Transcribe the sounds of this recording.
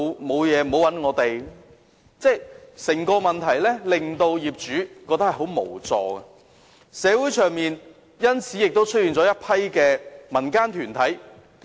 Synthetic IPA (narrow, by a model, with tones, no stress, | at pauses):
mo˨˧wjɛː˨˧m̩˨o˨˧wɐ˨˥nŋɔː˨˧t̪e˨j | t͡sɛː˥˩sɪ˨˩ŋkɔː˧mɐ˨nt̪ʰɐ˨˩jlɛː˥lɪ˨ŋt̪o˧wjiː˨p̚t͡ʃyː˨˥kɔː˧k̚t̪ɐ˥khɐ˨˩ɦo˨˥wmo̰˨˩wt͡sɔ̰ː˨˩ɡɛ˧ | sɛː˨˧wuː˨˥jt͡ʃʰœː˨˩ŋmiː˨n | jɐ˥nt͡sʰiː˨˥jɪ˨k̚t̪o˥wt͡ʃʰɵ˥t̚jiː˨˧nt͡sɔː˨˥jɐ˥t̚pʰɐ˥jkɛː˧mɐ˨˩nkaː˥nt̪ʰyː˨˩nt̪ʰɐ˨˥j